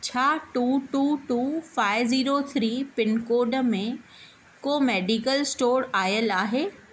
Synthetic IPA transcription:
t͡ɕʰaːʈuːʈuːʈuːfaːɪʋziːɾot̪ʰɾiːpɪnkoːɖmẽ | koːmeːɖikəlsʈoːɾaːjəlaːɦeː

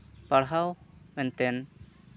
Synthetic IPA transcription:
paɽɦawmɛnt̪ɛn

